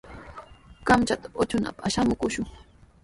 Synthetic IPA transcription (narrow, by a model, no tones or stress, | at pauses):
kamt͡ʃat̪ḁot͡ʃʊna̰paʃamʊkʊʃʊŋ